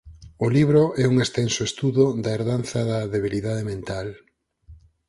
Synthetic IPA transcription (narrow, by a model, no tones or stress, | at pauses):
ʊliβɾoʔɛuŋest̪ɛnsoest̪uðod̪ɐeɾðanθɐðɐðeβ̞iliðað̞emẽnt̪al